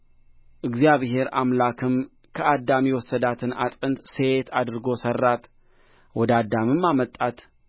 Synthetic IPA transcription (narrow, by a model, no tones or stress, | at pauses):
ʔɨɡzijaβhe̞ɾʔa̰mlakʰɨm | kʰəad̪ːamiwɔsːəd̪at̪ʰɨna̰t̪ʼɨnt̪set̪ʰad̪ɨɾɨɡo̞sərːat̪ | wɔd̪ad̪ːamɨmːamət̪ʼːat̪